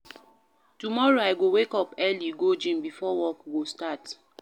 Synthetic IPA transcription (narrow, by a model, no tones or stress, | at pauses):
tumɔɹoaɪɡowekɔpɛliɡod͡ʒĩmbifɔwɔkɡostat